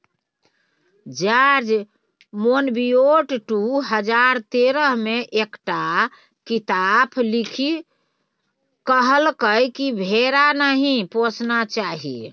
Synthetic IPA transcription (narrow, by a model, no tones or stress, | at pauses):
d͡ʒaɾd͡ʒ | monbioʈʈuɦəd͡ʒaɾt̪eɾəɦmeʔekʈa | kit̪apʰlikʰi | kəɦəlkəjkibʱeɾanəɦĩposnat͡ʃaɦḭ